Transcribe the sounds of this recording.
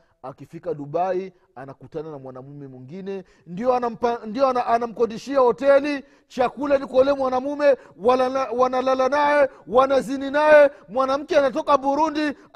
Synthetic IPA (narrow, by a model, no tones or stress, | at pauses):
akifikaɗuɓai | anakutananamwanamumɛmwiŋɡinɛ | ndiɔanam̩pandiɔnaʔanam̩kɔdiʃiahɔtɛli | t͡ʃakulanikɔlɛmwanamumɛ | walawanalalanajɛ | wanazininajɛmwanam̩kɛanat̬ɔkaɓuɾundi